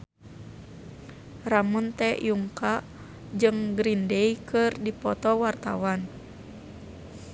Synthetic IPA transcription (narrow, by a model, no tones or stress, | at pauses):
ramunt̪ɛjuŋkaʔ | d͡ʒɨŋɡɾindɛikɨrdipɔt̪ɔwart̪awan